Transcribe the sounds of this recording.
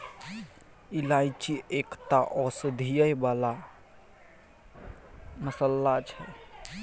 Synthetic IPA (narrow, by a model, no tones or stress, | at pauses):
ilajt͡ʃiekt̪aʔɔsd̪ʱijəjbala | məsəlːat͡ʃʰɛ